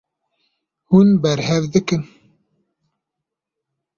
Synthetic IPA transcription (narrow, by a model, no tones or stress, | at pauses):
hunbɛɾhɛvd̪ɨkɨn